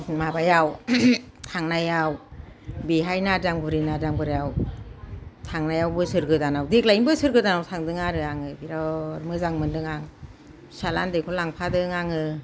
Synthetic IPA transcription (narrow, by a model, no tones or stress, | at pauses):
mabajaw | tʰaŋnajawbiɦajnadaŋbɯɾinadaŋbɯɾjaw | tʰaŋnajawbɯsɯɾɡɯdanawdik̚lainbɯsɯɾɡɯdanawtʰaŋdɯŋaɾɯaŋɯbiɾaɾmɯzaŋmɯndɯŋaŋ | salandekʰɔlaŋpʰadɯŋaŋɯ